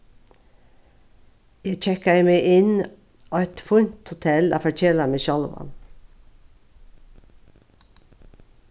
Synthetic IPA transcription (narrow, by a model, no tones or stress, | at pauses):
jæɪc͡çɛkəæɪmeɪʔɪn | oːɛt̪fʊnt̪hʊt̪ʰɛlæ̰ːfɔc͡çeːlɑnəʃɑlʋɑ̰n